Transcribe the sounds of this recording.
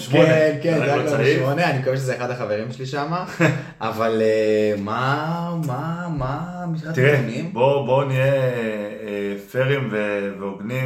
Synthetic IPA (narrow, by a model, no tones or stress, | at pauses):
ʃmonenkendajaklaiʃmo̞neanikoveʃ̬ezeːχad̪haχave̞ʁimʃeliʃama | ʔavalemamamamiʃat̪iʁenimbobo̞nie | efeʁimveveoɡnim